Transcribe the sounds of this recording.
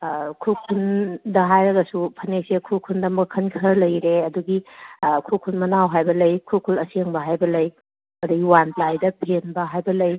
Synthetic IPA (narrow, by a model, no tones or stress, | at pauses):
kʰukʰundɐɦajɾɐɡɐsupʰɐnesekʰukʰundɐmɐkʰɐnkʰɐɾlɐjɾeɐduɡikʰukʰunmɐnawɦajbɐlɐjkʰukʰulɐseŋbɐɦajbɐlɐj | ɐduɡiwanplajdɐpʰenbɐɦajbɐlɐj